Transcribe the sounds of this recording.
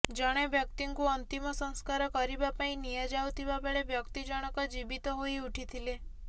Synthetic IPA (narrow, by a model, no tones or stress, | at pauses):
d͡ʒɔɽ̃ebʱjəkt̪iŋkuɔnt̪imɔsɔ̃ŋskaɾɔkɔɾibapaĩnijad͡ʒawt̪ʰibabeɭebjɔkt̪id͡ʒɔɽ̃ɔkɔd͡ʒibit̪ɔɦoiuʈʰit̪ʰile